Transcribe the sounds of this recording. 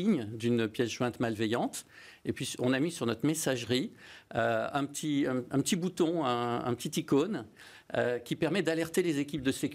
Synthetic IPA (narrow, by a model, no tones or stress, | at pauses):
iɲd̪ynpjɛsʒwɛ̃t̪malvɛjɑ̃t̪ | epɥisɔ̃namisyʁnɔt̪χmesaʒʁiøɛ̃pət̪ʰiɛ̃ɛ̃pət̪ibut̪ɔ̃ɛ̃ɛ̰̃pə̥t̪it̪ikon | økʲipɛʁmɛd̪alɛʁt̪elezekʲip̚d̪əsekʲ